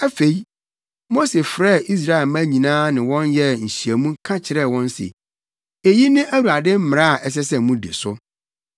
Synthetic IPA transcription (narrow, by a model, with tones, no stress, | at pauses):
æ˦fe˨i˦ | mo˦se˨fɾɛː˦˨ʔi˦s̬ɾa˦ɛ˨lmæ̃˦ɲĩ˨nãː˦nɪ̃˨wɔ̃˦njɛ˦ɲ̩˨ɕi˨æ˨mũ˦kʰã˦t͡ɕʰɪ˨ɾɛ˦˨wɔ̃˦n˦sɪ̰˨ | e˨ji˦nɪ̃˦ʔæ˦wu˨a˨dɪ̃˦m̩˦mɪ̃˨ɾa˦˨ʔɛ˨s̬ɛ˦s̬ɛ˦˨mũ˦dḛ˨sʊ˦